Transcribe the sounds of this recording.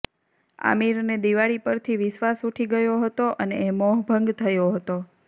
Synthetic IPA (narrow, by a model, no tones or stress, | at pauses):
a̰miɾned̪iʋaɭipəɾt̪ʰiʋɪʃʋasuʈʰiɡəjoɦət̪oʔənḛːmɔɦbʱəŋɡt̪ʰəjoɦət̪o